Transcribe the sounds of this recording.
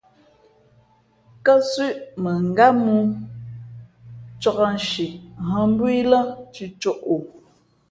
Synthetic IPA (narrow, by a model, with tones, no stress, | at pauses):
kə˦sʉ˦˨ʔmə˨ŋ˨ɡa˦mu˦ | t͡ʃɔ˦ɣa˦n˨ʃi˨ɦə˦m˦bwi˦lə˦t͡ʃi˨t͡ʃo˦˨ʔo˨